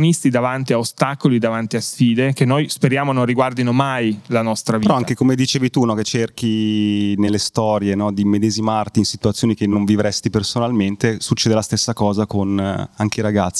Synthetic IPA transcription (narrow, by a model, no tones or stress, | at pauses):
nist̪id̪avant̪iaost̪akolid̪avant̪iasfiːd̪ekenːojspeɾjaːmonõnriɡward̪inomajlanɔst̪ɾavpeɾɔaŋkekomed̪it͡ʃeːvit̪unɔket͡ʃːerkinelːest̪ɔːɾjenɔd̪imed̪ɛːzimart̪iːnsit̪uat̪sːjoːnikenːoɱvivɾɛst̪ipersonalment̪esut͡ʃːeːd̪elast̪esːakɔːzakonaŋk̟eiɾaɡat̪sːi